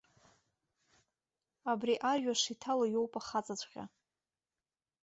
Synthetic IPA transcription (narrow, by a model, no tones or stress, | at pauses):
abriʔarʒᶣaʂitʰalojowpʼaχat͡sʼat͡ɕʷʼqʲa̰